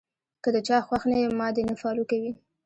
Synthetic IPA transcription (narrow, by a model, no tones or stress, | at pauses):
kəd̪ət͡ʃɑxwaxnajəmːɑd̪enəfɑlukawi